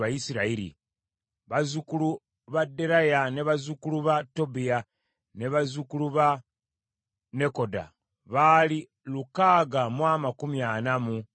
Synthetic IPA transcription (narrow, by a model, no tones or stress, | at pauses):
βajisiɾaiɾḭ | βazukulu | βadːe̞ɾajane̞βazukuluβato̞bija | ne̞βazukuluβa | ne̞ko̞da̰ | βali | lukaːɡamwaːmakumjanamu